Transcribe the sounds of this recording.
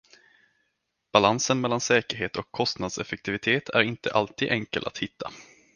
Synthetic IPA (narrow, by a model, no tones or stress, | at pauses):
b̥alansənmɛlːansɛːkəɾɦeːt̪ɔkʰːɔst̪nad̪sɛfɛk̚t̪ɪvɪt̪ʰeːt̪ʰæ̰ɾɪnt̪əʔalt̪ʰiːd̪ʔɛŋkəlʔa̰t̪hɪt̪ʰːa̰